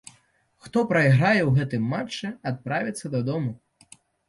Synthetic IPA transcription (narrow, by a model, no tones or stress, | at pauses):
xt̪ɔpɾɐiɣɾajɛwɣɛt̪ɨmːat͡ʂːɛat̪̚pɾavʲɐt̪sːɐd̪ɐd̪ɔmu